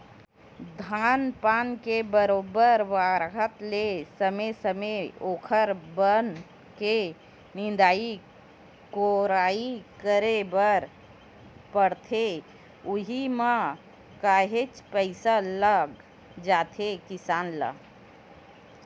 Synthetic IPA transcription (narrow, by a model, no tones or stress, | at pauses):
d̪ʱaːnpaːnkebəɾoːbəɾʋaːɾɦət̪lesəmesəmeoːkʰəɾbən | ke | nɪ̃nd̪aːi | koɾaːikəɾebəɾ | pəɽt̪ʰe | ʊɦimã | kaːɦet͡ʃpəɪsaləɡ | d͡ʒaːt̪ʰekɪsaːnla̰ɡ